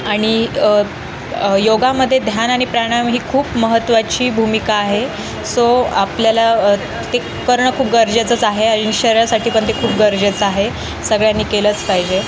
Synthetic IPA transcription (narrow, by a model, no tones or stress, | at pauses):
aɽ̃i | joɡaməd̪ʱːjed̪ʱjanaɽ̃ipɾaɽ̃amɦiːkʰuːpməɦət̪ːʋat͡ɕiːbʱumikaːɦe | soapljala | t̪e | kəɾɳəkʰuːp̚ɡəɾd͡ʑat͡sət͡saɦeəiniɕəɾjasaʈʰiːpəɳt̪ekʰuːp̚ɡəɾd͡ʑət͡saɦe | səɡɭjanːiːkelət͡spajd͡ʑe